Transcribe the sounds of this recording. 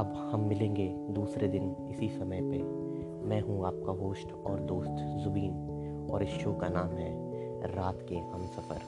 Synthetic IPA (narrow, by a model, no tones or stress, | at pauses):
ɐb | hɐmːɪlẽːŋɡe | d̪uːsɾed̪ɪnɪsisɐməjpe | mɛ̃ːɦũaːp̚kaɦoːʃʈɔːɾd̪oːst̪zʊbiːn | ɔːɾɪsʃoːkanaːmɦɛ | ɾaːt̪keɦɐ̃msɐfə̰ɾ